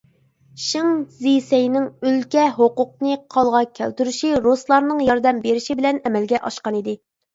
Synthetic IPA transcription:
ʃiŋzisɛjnɪŋylkʲɛɦoqʊq̚nɨqʰɑlˠʁɑkʲʰɛ̰lt̪yɾyʃiɾoslˠɑɾnɨŋjɑɾd̪ɛmbeɾɪʃibɪlɛnɛmɛlɡʲɛʔɑ̰ʃqɑnid̪ɪ

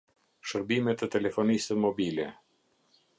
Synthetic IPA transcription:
ʃəɾbimɛt̪ɛt̪ɛlɛfɔnisəmɔbilɛ

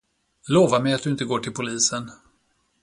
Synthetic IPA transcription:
loːvamɛjat̪̚d̪ɵɪnt̪̬əɡoːʈʰɪlpʰʊliːsən

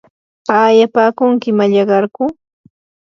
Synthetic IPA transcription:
aːjapaːkʊŋkɪmaʎɑɢɑɾkʊ

